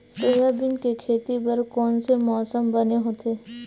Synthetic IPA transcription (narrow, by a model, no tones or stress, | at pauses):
soɦjabɪnkekʰeːt̪ipɐɾkɔːnsemɔːsəmbɐneɦoːt̪eː